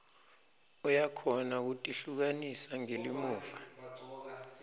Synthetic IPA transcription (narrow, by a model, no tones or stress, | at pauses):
ɔjakʰɔnak̬utʼiɬuk̬anisaŋelimuːva